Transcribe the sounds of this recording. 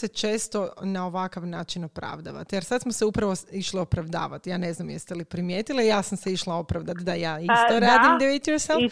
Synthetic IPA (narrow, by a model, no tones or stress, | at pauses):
set͡ʃeːst̪o̞nao̞ʋakaʋnaːt͡ʃinopɾa̰ʋd̪a̰ʋa̰t̪jeɾsad̪smoseupɾaʋoiʃlio̞pɾaʋd̪a̰ːʋat̪jaːne̞znamjeɾst̪elipɾimje̞ːt̪ilijaːsamseiʃlˠao̞pɾaʋd̪at̪d̪ajaːist̪oɾaːd̪imd̪eit̪joɾself